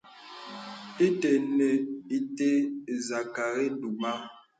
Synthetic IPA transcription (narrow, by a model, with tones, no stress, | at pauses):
i˦te˨ne˨i˨te˦˨za˨ka˨ɾe˦du˨ma˦˨